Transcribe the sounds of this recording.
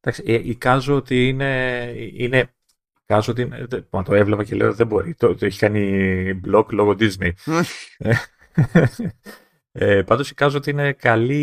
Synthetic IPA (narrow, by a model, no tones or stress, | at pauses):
t̪ɐksieʔikɐzoot̪iine̞ine̞ | kɐzoot̪̬iinemɐt̪o̞e̞vlevɐce̞le̞ot̪iðebo̞ɾit̪ot̪oeçi̥kɐniblo̞klo̞ɣo̞d̪iznejne | epɐnd̪o̞si̥kɐzoot̪iine̞kɐli